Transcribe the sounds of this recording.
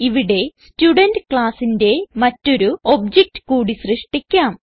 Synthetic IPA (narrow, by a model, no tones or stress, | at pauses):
iʋiɽe̞stjuɽɐndɨkɭaːsinde̞mɐtːo̞ɾuo̞bd͡ʑek̚tɨ̥kuːɽisrɨʂʈikʲːaːm